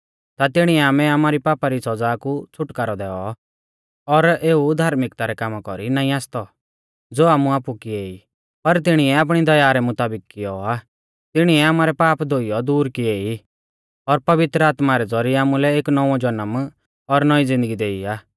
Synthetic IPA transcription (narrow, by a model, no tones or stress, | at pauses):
t̪at̪ɪɽ̃iɛaːmɛaːmaːɾipaːpaɾisɐd͡zaːkut͡sʰʊʈkaːɾɔd̪ɛːɔ | ɔɾeːud̪ʱaːɾmɪkt̪aɾɛkaːmakɔɾinaːĩaːst̪ɔ | d͡zoːaːmuaːpukieːi | pɐɾt̪ɪɽ̃iɛaːp̬ɽ̃id̪ɐjaːɾɛmʊt̪aːbɪkːɪjɔaː | t̪ɪɽ̃iɛaːmaːɾɛpaːpd̪ʱoːijɔd̪uːɾkieːi | ɔɾpɐʋɪt̪ɾəaːt̪maɾɛd͡zɔɾiaːmulɛeːknɔʋɔ̃d͡ʒɐnəm | ɔɾnɔid͡zɪ̃nd̪əɡid̪eːiaː